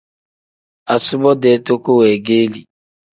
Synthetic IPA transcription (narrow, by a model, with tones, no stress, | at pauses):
a˨sʊ˦bɔ˦dɛ˨˦to˦ko˦wɛ˨ɡeː˦li˨